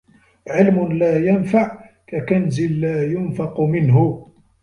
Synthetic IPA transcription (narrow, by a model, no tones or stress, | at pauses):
ʕɪlmʊnlaːjanfaʕ | kakanzɪlːaːjʊnfɑqmɪnɦʊ